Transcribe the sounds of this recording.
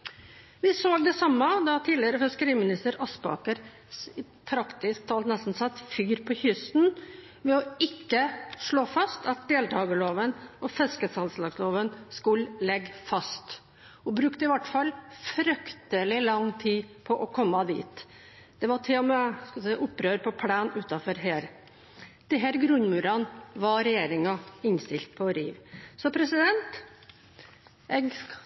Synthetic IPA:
ʋɪsoːɡd̪ɛsɑmːɑd̪ɑt̪ʰiːlɪəɾəfɪskəɾiːmɪnɪst̪əɾɑspɑ̰ːkəɾ | ɪ | pʰɾɑkt̪ɪsk̚t̪ʰɑːlt̪nɛst̪n̩sɑt̪ːfyːɾpʰɔçʏst̪n | mɛɔɪkːəʂɭoːfɑst̪ɑt̪̚d̪eːlt̪ʰɑːɡəloːʋənɔfɛskəsɑnslɑːɡsloːʋənskʉllɛɡfɑst̪ | ɔbɾʉkt̪əɪʋæʈːfɑlfɾʏkt̪əlɪlɑŋt̪ʰiːpʰɔʔɔkʰɔmːɑd̪ḭːt̪ | d̪̥ɛʋɑʈʰeːməskɑsɛɪʔʊpːɾøːɾpʰɔpʰɽæːnʉːt̪ɑfɔɾɦeːɾ | d̪̥ɪɦæːɾɡɾʉnmʉːɾɑnʋɑɾɛjeːɾɪŋɑɪnst̪ɪlt̪̚pʰɔɾḭːʋsɔpʰɾɛsɪd̪ɛnt̪ | ʔɛɡ

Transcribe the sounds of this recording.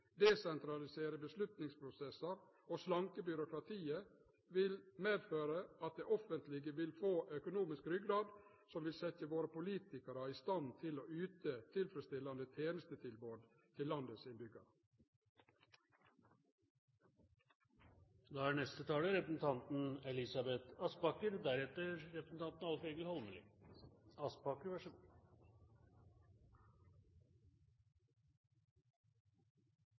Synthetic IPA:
d̪ɛsɛnt̪ɾɑlɪseːɾəbəslʉt̪nɪŋspʰɾʊsɛsəɾ | oːslɑŋkəbʏɾʊkɾɑt̪ʰiːə | ʋɪlmeːd̪føːɾəɑt̪̚d̪eːʔɔfənt̪lɪɡəʋɪlfoːʔœkʊnuːmɪskɾʏɡɾɑːd̪ | sɔmʋɪlsɛt̪əʋoːɾəpʊliːt̪ɪkəɾɑɪst̪ɑnt̪ʰɪloːʉːt̪ət̪ʰɪlfɾəst̪ɪlːɑnd̪ət̪ʰeːnəst̪ət̪ʰɪlboːd̪ | t̪ʰɪlːɑnd̪əsɪnbʏɡə | d̪ɑːæːnɛst̪ət̪ʰɑːləɾɛpɾəsn̩t̪ʰɑnt̪n̩ɛlɪsɑbɛt̪ɑspɑkəɾd̪æɾɛt̪əɾɾɛpɾəsn̩t̪ʰɑnt̪nɑlfeɡəlhɔlməlɪ̰ | ɑspɑkəɾʋæʂə

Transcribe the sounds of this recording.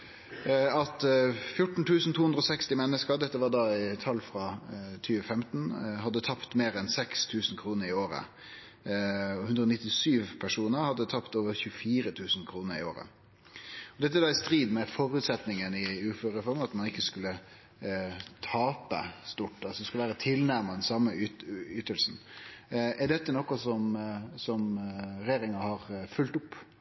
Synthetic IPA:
ɑt̪fjʊʈɳ̩t̪ʰʉːsn̩t̪ʰuːhʉnd̪ɾɔsɛkst̪ɪmɛnːəskəd̪ɛt̪ːəʋɑːɖɑɪt̪ʰɑlfʁɑt̪ʰyːʋəfɛmt̪n̩ɦɑd̪ːət̪ʰɑpt̪meːɾɛnsɛkst̪ʰʉːsnkʰɾuːnəɾɪoːɾə̰ | ɔʉnd̪ɾəɔːnɪt̪ːɪsyːʋpʰæʂuːnəɾhɑd̪ːət̪ʰɑpt̪oːʋəɾçʉəfiːɾət̪ʰʉːsn̩kʰɾuːnəɾɪ̰o̰ːɾə̰ | ɔd̪ɛt̪ːəæd̪ɑːɪst̪ɾiːd̪mɛfɔɾʉːt̪sɛt̪nɪŋənɪʉːføːɾəfɔɾməɑt̪mɑnɪkːəskʉlːə | t̪ʰɑːpə̰st̪uʈːɑsɔd̪ɛskʉləʋæːɾət̪ʰɪlnæɾməd̪ɛnsɑmːəʏt̪əlsn̩ | ɛɖɛt̪ːənɔkːɔsɔmsɔmɾeːɾɪŋɑhɑʁfʉlt̪ʊpː

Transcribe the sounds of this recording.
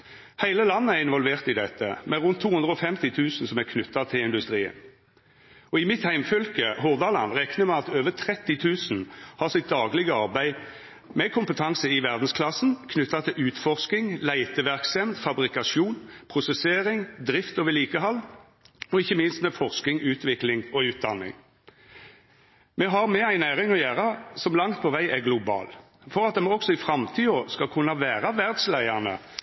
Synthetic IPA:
hæɪləlɑnːəæʁɪnʋɔlʋeːʁt̪ɪd̪ɛt̪ʰːə̰mɛʁʉnt̪ʰːuːhʉnd̪ʁəɔfɛmt̪ɪt̪ʰʉːsn̩sɔmæʁkʰnʉt̪ːɑt̪ʰɪlɪnd̪ʉst̪ʁiːə̰n | ɔɪmɪt̪hæɪmfœlkəɦʊʁd̪ɑlɑ̰nɾɛknəmɛɑt̪øːʋət̪ʰɾɛt̪ːɪt̪ʰʉːsn̩hɑsɪt̪̚d̪ɑːɡlɪɡəɑʁbæɪ | mɛkʰʊmpət̪ʰɑŋsəɪʋæʁd̪n̩skʰlɑsn̩kʰnʉt̪ːɑt̪ʰɪlʔʉːt̪fɔʁskɪŋlæɪt̪ʰəʋæʁksɛmd̪fɑbʁɪkɑʃuːnpʰʁʊsɛseːʁɪŋd̪ʁɪft̪ɔʋəliːkəɦɑlː | ɔɪçːəmɪnst̪mɛfɔʁsk̪ɪŋʉːt̪ʋɪklɪŋɔʉːt̪̚d̪ɑnːɪ̰ŋ | mɛɦɑʁmɛæɪnæːʁɪŋɔjæːʁɑsɔmlɑŋt̪̚pʰɔʋæɪʔɛɡlʊbɑ̰ːl | fɔʁɑt̪̚d̪ɛmɔksɔɪfʁɑmt̪ʰiːɔskɑkʰʉnːɑʋæːʁɑʋæʁd̪slæɪɑnə̰

